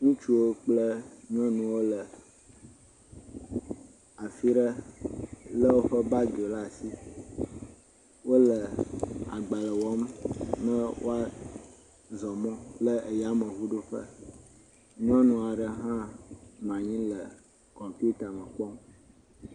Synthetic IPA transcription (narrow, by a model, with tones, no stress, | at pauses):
ŋũ˦t͡ʃu˦wo˦k͡plə˦ɲɔ̃˦nũ˨wo˦lə˨ | a˨fi˦ɖə˦ | lə˦wo˦ɸə˦ba˦do˨la˦˨si˦ | wo˦lə˨a̰˨ɡ͡ba˨lə˨wɔ˦mnə̃˦wo̰˦a˦ | zɔ˨mɔ̃˦lə˦ʔe˨ja˦mə̃˨ɦu˦ɖo˦ɸə̰˦ | ɲɔ̃˦nũ˨a˨ɖə˨ɦã˦mã˨ɲĩ˦lə˨ | kɔ̃˨pi˦u˦t̪a˨mə̃˨k͡pɔ˦m